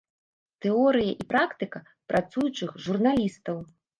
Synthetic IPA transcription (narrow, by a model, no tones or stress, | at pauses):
t̪ɛɔɾɨjɐʔipɾakt̪ɨkɐ | pɾat̪sujut͡ʂɨxʐurnalʲist̪ɐw